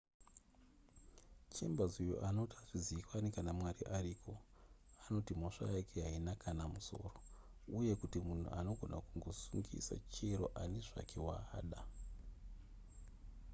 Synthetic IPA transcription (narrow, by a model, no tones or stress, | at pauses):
t͡ʃembazujo̰ʔano̞taʐiziikwanikanamwariʔariːkʰo̞ano̞timo̞ʂa̰jakeɦainakʰanamuso̞̰ːro̞uje̞kutimun̤ṵʔano̞ɡʱo̞nakuŋɡo̞suŋɡḭsa̰t͡ʃeɾo̞ʔaneʐa̰kʰe̞waːɗa